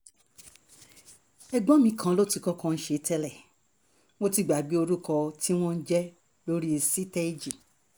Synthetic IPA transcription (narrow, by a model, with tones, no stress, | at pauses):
ɛ˧ɡ͡bɔ̃˨˦mĩ˧kʰã˨˦lo˦ti˨˧˨kɔ˦kɔ̃˧n̩˦ʃe˨˦tɛ˧lɛ˦˨ | w̃o˦ti˦˨ɡ͡ba˨ɡ͡bi˨˦o˧ɾu˦kɔ˧ti˦w̃ɔ̃˦n̩˦d͡ʒɛ˦ | lo˦ɾi˦e˧si˦tɛ˦i˦d͡ʒi˨